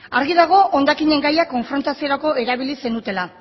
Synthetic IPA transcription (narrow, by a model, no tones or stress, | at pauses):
aɾɣiðaɣ̞o̞ʔond̪akiɲe̞ŋɡajako̞ɱfɾo̞nt̪asio̞ɾako̞e̞ɾaβ̞ilise̞nd̪ut̪e̞la